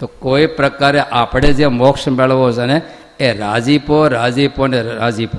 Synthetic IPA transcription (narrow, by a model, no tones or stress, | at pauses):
t̪oːkoːipɾəkaːɾeʔaːpɽed͡ʒemoːkʃmelʋos̬əne | eɾaːd͡ʒiːpoɾaːd͡ʒiːponeɾaːd͡ʒiːpo